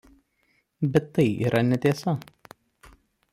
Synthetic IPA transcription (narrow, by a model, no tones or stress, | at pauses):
bʲɛt̪ːɐɪḭːɾʔɐnʲɛt̪ʲeːsɐ